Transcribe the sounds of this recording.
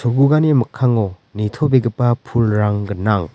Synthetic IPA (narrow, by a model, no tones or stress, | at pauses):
soɡuɡanimɯkʰaŋɔ | nit̪ʰɔbeɡɯpːapʰulɾaŋɡɯnːaŋ